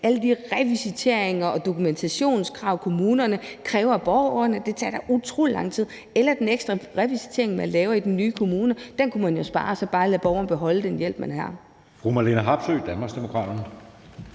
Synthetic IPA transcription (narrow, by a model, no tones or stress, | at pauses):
ʔæləd̥iʁɛʋisit͡sʰe̝ɐ̰e̝ŋɐɒ̽d̥o̝kʰument͡sʰæɕo̝̰ːnskʰʁɑ̈ʊ̰kʰo̝muːnɐnəkʰʁɛːʊɐb̥ɒʊɐnəd̥e̝t͡sʰɑ̰ːd̥ɑʔut͡sʰʁo̰ːlilɑ̈ŋ̰t͡sʰið̰ˠ | elɐd̥eneɡ̥sd̥ʁɑʁɛʋisi̥t͡sʰe̝ɐeŋmænlɛːʊɐid̥en̩ːyːkʰo̝muːnəd̥enkʰumænjo̝sb̥ɑ̈ːsɒ̽b̥ɑ̈ːlæb̥ɒʊɐnəb̥eɦɒ̽ləd̥enjel̰b̥mænɦɑ̰̈ | fʁumælenəɦɑ̈b̥søːd̥ænmɑ̈ːɡsd̥emo̝kʰʁɑ̰ːd̥ɐnə